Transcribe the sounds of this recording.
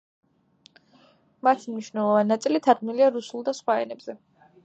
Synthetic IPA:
mat̪ʰimniʃvnɛlˠɔvaninat̪sʼilit̪ʰaɾɡniliaɾusulˠd̪asχwaɛ̰nɛbz̥ɛ

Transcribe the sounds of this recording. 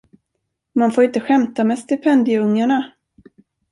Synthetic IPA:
manfoːɾɪnt̪əɧɛmt̪amɛst̪ɪpʰɛnd̪ɪɵŋːaɳa

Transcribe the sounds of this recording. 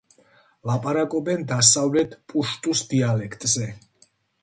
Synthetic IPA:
lapʼaɾakʼɔbɛnd̪asavlɛt̪ʰpʼuʃt̪ʼusd̪ialɛkʰt̪ʼzɛ

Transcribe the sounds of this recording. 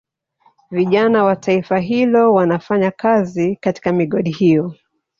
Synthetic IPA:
viʄanawatʰaifaɦilɔwanafaɲakazikati̥kamiɠɔɗihijɔ

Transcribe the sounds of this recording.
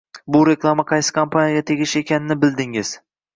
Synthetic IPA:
bʊɾe̞klˠamaqʰɑjsɪ̥kʰampʰanijaɡʲat̪ʰe̞ɡʲɪʃe̞kʲʰanɪnɪbɪlˠd̪ɪŋɪz̥

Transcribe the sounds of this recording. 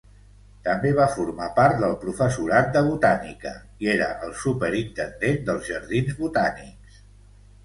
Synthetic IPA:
t̪əmbeβ̞afuɾmapaɾt̪d̪əlˠpɾufəsuɾat̪̚d̪əβ̞ut̪anḭkə̰ | ieɾə̰ʔəlˠsupəɾint̪ənd̪end̪əlˠzʒəɾð̞inzβut̪anḭks

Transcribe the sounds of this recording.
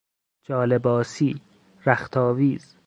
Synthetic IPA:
d͡ʒɒːlebɒːsiː | ɾæxt̪ʰɒːviːz̥

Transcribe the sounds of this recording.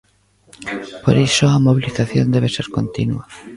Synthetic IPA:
poɾisoamoβ̞iliθaθjond̪eβ̞eseɾko̰nt̪inua

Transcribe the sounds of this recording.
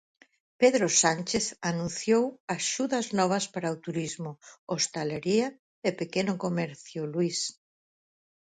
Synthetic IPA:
peðɾosanʲt͡ʃeθanũnθjowaʃuðɐznɔβ̞ɐspaɾaot̪uɾizmʊost̪aleɾiɐ | epekenʊkomɛɾθjʊlwis

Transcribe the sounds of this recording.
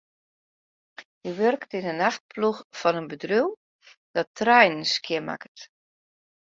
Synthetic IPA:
jəʋørktɪnənaxt̚pʰluxfɔnənbədryw | d̥ɔtrɛjnənskʰjɪma̰kət

